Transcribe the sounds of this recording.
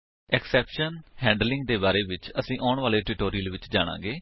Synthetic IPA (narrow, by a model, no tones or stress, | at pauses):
ɛksɛːpʃənhɛ̃ːɳɖlɪ̃ŋɡd̪eːbaːɾeːʋɪt͡ʃəsĩːʔaːɳʋaːleːʈɪʈoːɾiːəlʋɪt͡ʃd͡ʒaːɽ̃ã̰ːɡeː